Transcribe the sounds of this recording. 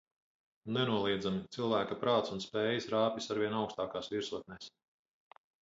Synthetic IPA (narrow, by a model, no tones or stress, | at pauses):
nɛnuɔlˠiɛd̪zamit̪silˠvæːkapɾaːt̪sunspɛːjisɾaːpʲisaɾviɛnawkst̪aːkaːsviɾsuɔt̪̚nɛs